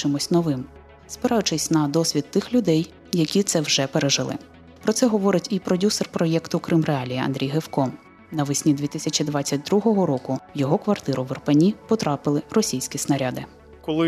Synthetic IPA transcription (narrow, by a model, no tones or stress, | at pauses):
t͡ʃɪmʊsʲnɔʋɪm | spɪɾɑjʊt͡ʃɪsʲnɐd̪ɔsʲʋʲid̪t̪ːɪxlʲʊd̪ɛj | jɐkʲit̪sɛwʒɛpeɾeʒɪlˠɪ̰ | pɾɔsɛɦɔʋɔɾɪtʲipɾɔdʲuserpɾɔjɛkt̪ʊkɾɪmreɑlʲijiɐ̰nd̪ɾʲijɦewkɔ | nɐʋɪsʲnʲid̪ʲʋʲit̪ɪsʲɐt͡ʃʲid̪ʋɑt͡sʲːɐt̚ʲd̪ɾuɦɔɦɔɾɔkʊjɔɦɔkʋɐrt̪ɪɾʊʋɪrpenʲipɔt̪ɾɑpɪlˠɪrɔsʲijsʲkʲisnɐɾʲad̪ɪ | kɔlˠɪ